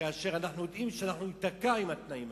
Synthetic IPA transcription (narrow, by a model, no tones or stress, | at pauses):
aːʃe̞ʁanaχnujod̪imʃeanaχnuit̪akaimat̪naim